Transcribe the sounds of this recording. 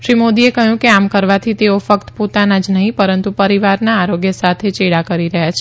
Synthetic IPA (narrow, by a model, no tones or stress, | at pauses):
ʃɾimod̪iekəɦjũkeamkəɾʋat̪ʰit̪eofəkt̪pot̪anad͡ʒnəɦĩpəɾənt̪upəɾiʋaɾnaːɾoɡjəsat̪ʰet͡ʃeɽakəɾiɾəɦjat͡ʃʰe